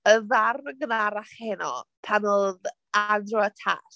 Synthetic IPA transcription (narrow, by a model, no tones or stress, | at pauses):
əðarɡənaɾaχhɛnɔ̰tʰanoːð | adrɔɛtʰa̰s